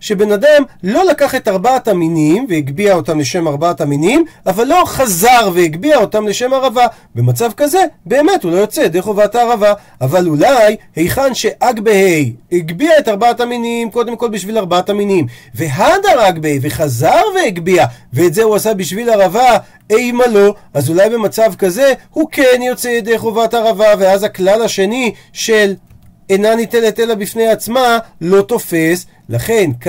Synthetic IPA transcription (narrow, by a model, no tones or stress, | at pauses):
ʃe̞be̞nadamlo̞lakaχe̞taʁbaataminimvehiɡbiao̞tamle̞ʃe̞maʁbaataminimavalːo̞χazaʁveiɡbiao̞tamle̞ʃe̞maʁava | be̞mat͡savkaze̞be̞ːme̞thulo̞jot͡se̞d̪eχovat̪aːʁava | avalulajhejχanʃe̞ʔaɡbehejhiɡbiae̞taʁbaataminimko̞d̪e̞mko̞lbiʃvilaʁbaataminimve̞ɦad̪aʁaɡbeejveχazaʁve̞iɡbiaveeːtzeuasabiʃvilaʁava | ejmalo̞azulajbe̞mat͡savkaze̞huke̞njo̞t͡sejed̪ejχo̞vataʁavave̞azaklalhaʃe̞ni | ʃe̞l | enanit̪enet̪elabifnejat͡smalo̞t̪o̞fe̞s | laχe̞nk